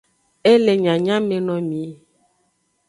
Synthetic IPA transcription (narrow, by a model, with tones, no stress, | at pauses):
e˦le˨ɲã˨ɲã˦me˨nɔ̃˨mĩ˨˦